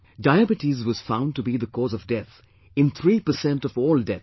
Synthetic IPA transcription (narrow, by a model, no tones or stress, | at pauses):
daɪəbɨʈizwʌz̥fãʊ̃n̚tɨbiðəkʰɔːzʌvdɛt̪ | ɨ̃nt̪ʰɹipə˞sɛ̃ntʌvɔːldɛt